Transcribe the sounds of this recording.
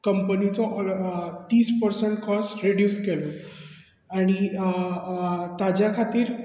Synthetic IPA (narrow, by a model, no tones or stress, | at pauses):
kəmpənit͡sɔ | t̪iːspəɾsəɳʈkɔsɾeɖjuːskelɔ | aɽ̃i | t̪ad͡ʑjakʰat̪iːɾ